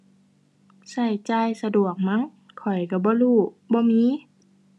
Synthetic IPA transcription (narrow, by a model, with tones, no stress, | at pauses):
sa˧˩jt͡ɕaː˧jsa˧du˨˩ək̚ma˧˥˨ŋ | kʰɔ˨˩jka˧˩bɔː˧˦luː˧˩ | bɔː˧˦miː˧˥˨